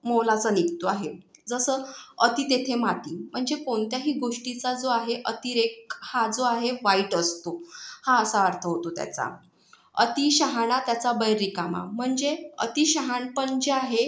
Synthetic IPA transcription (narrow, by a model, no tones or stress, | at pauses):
molat͡sanikt̪oaɦed͡zəsəːət̪iːt̪et̪ʰemaʈ̪iːm̤əɳd͡zekoɳt̪jaɦiːɡoʂʈit͡sad͡zoaɦeʔət̪iɾek̚had͡zoaɦeʋaiʈəst̪ohãəsaəɾt̪ʰəɦot̪ot̪ja̰t͡sa̰ | ə̰t̪iɕəɦaɳat̪jat͡sabəjɾːikama̰m̤əɳd͡zeə̰t̪iɕəɦaɳpəɳd͡ʑeaɦe